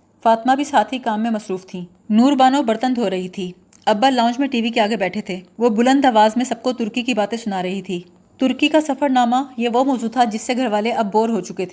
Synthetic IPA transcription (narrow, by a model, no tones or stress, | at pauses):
faːt̪mabʱisaːt̪ʰikaːmːẽmɐsɾuːft̪ʰĩː | nuːɾbaːnõbɐɾt̪ə̃nd̪ʱɦoɾɐɦit̪ʰiː | ɐbːalãːʊ̃nd͡ʒmẽʈiːʋikeaːɡebɛːʈʰet̪ʰeːʋobʊlə̃nd̪ɐʋaːzmẽsɐb̚kot̪ʊɾkikibaːt̪ẽsʊnaːɾɐɦit̪ʰiː | t̪ʊɾkikasɐfəɾnaːmajeʋomɔːzuːt̪ʰad͡ʒɪsːeɡʱɐɾʋaːleʔɐbːoːɾɦot͡ʃʊket̪ʰeː